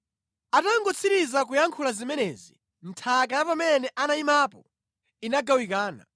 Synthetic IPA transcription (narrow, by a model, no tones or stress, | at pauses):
ataŋɡɔt͡sʰiɾizak̬ujaŋkʰulazimɛnɛːzḭ | n̩tʰakajapamɛnɛʔanaimapɔ | inaɡawikaːna̰